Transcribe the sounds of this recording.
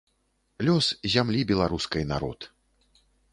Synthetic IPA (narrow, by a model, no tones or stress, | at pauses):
lʲɔszʲamlʲibʲɛlˠaɾuskɐjna̰ɾɔ̰t̪